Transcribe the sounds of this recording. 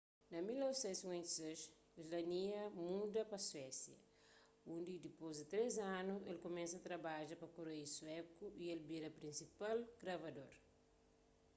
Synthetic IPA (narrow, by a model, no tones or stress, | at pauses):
nɐmilːowsɛ̃nsiŋwɛ̃nt̪i̥seʃ | izlɐniɐmud̪ɐpɐswɛsjɐ | ũnd̪id̪ipozd̪it̪ɾezãnuelkomɛ̃nsɐt̪ɾɐbaʒɐpɐkoɾejiswɛkuʔielbiɾɐpɾĩnsipalɡ̥ɾɐvɐdoɾ